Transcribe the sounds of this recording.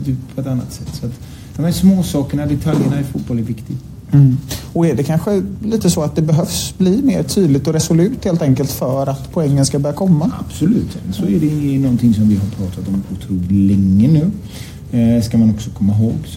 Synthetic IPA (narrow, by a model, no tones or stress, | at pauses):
t̪ʰyːppʰːɔɛt̪anːa̰t̪sɛt̪ːsɔat̪ | d̪̥ɔmhæsmoːsɑːkəɳad̪ɛt̪ʰaljəɳaɛɾfuːt̪̚bɔlɛɾvɪkt̪ɪɡ̩ | ɔɛɖɛkʰanɧəliːt̪əsɔat̪̚d̪ɛbɛɦœvsbliːmeːɾʈ̪ʰyːd̪lɪɡ̚t̪ɔɾɛsɔlʉ̟ːt̪heːlt̪ɛŋkəlt̪fœːɾat̪pʰɔɛŋːənskabœːɾakʰɔmːaa̰b̥sɔlʉ̟̰ːt̪ɛ̰ənsɔɛɖɛɪŋənɔnt̪ʰɪŋsɔmvɪɦaɾpʰɾɑːt̪ʰat̪ɔmʊt̪ʰɾuːlɪŋːənːʉ̟ː | skamanɔksɔkʰɔmːaɦoːɡs